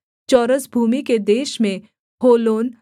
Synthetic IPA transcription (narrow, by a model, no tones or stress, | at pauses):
t͡ʃɔːɾəsbʱuːmiked̪eːʃmẽ | hoːloːn